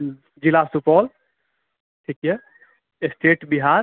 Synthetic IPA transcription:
d͡ʒilasupɔːl | ʈʰikjɛ | esʈʰeːʈbiɦaːɾ

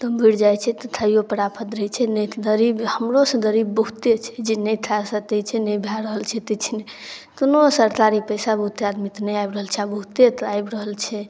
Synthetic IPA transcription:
t̪əbʱiɽd͡ʒajt͡ʃʰɛt̪ət̪ʰajopəɾapʰət̪ɾəɦɛt͡ʃʰɛnəd̪əɾibhəmɾosə̃ɡ̪əɾibːəɦut̪et͡ʃʰɛ̥d͡ʒenəjt̪ʰasət̪ɛt͡ʃʰɛnəjbʱjaɾəɦəlt͡ʃʰɛt̪ət͡ʃʰinet̪onosəɾt̪aɾipəjsabəɦut̪ad̪mit̪nəjajbɾəɦəlt͡ʃʰɛabəɦut̪et̪ajbɾəɦəlt͡ʃʰɛ

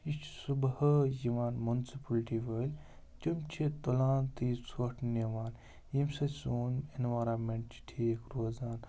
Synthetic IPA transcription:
it͡ʃʰsubhɐjiʋaːnmunsipɐlʈiʋəːlʲ | t͡ʃimt͡ʃʰit̪olaːnt̪iːsʰoʈʰniʋaːn | jimsɐsoːnenʋaːɾanmeɳʈt͡ʃi̥ʈʰikɾoːzaːn

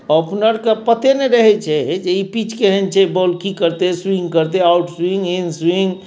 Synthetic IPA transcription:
ɔpnəɾkepət̪eneɾəɦɛt͡ʃʰɛd͡ʒeipit͡ʃkeɦɛnt͡ʃʰɛbolkikəɾt̪eswĩŋɡkəɾt̪eawʈswĩŋɡinswiŋɡ

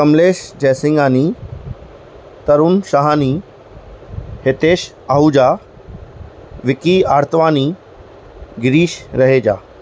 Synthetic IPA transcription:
kɐmleːʃd͡ʑɛːsɪ̃ŋɡaːni | t̪ɐɾunʃaɦaːni | het̪eːʃ | aɦud͡ʑaː | ʋɪkiaːɾt̪əʋaːniː | ɡɪɾiːʃɾɐɦeːd͡ʑaː

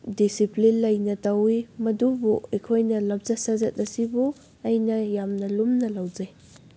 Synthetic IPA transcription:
disiplinlɐjnɐtawimɐdubuejkʰojnɐlɐmt͡ʃɐsɐzɐt̚ɐsibu | ɐjnɐjamnɐlumnɐlawzaj

